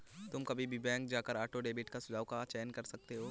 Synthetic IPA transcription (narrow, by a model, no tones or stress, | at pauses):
t̪ʊmkɐbʱibʱibɛ̃ːŋk̚d͡ʒaːkəɾaːʈoɖeːbɪʈkasʊd͡ʒaːʋkat͡ʃɛːnkɐɾsɐk̚t̪eɦoː